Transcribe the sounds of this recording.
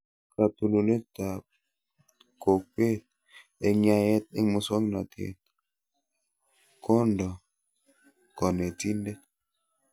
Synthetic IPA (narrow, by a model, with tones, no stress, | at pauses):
ka˨tu˨lo˨le˦ta˨p | ko˨k̚k͡ppe˦˨t̚ | e˨ŋa˨jɛ˦t̚e˦ŋmu˨swɔ˦ŋna˨tḛ˨t̚ | kʰo˦ndɔ˨ | kɔ˨ne˨ti˦nde˦